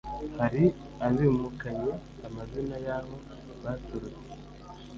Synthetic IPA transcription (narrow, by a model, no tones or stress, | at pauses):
haɾi | aβimukaɲe̞ | amazinajaho̞ | βatuɾu | e